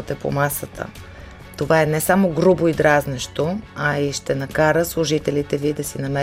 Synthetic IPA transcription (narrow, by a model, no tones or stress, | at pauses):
t̪ɛpo̰masət̪ʰə̰ | t̪ovaɛnɛsamoɡɾuboid̪ɾaznɛʃt̪oɐiʃt̪ɛnɐkaɾəslˠʊʒit̪ɛlit̪ɛvid̪ɐsinɐmɛ